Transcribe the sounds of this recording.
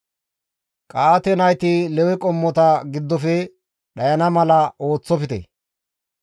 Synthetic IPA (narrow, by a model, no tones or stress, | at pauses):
kʼaːt̪ɛnɐjt̪ilɛwɛkʼɔmːɔt̪ɐɡɪd̪ːɔfɛ | ɗɐjɐnɐmɐlɐʔo̞ːt͡sːɔfɪt̪ɛ̰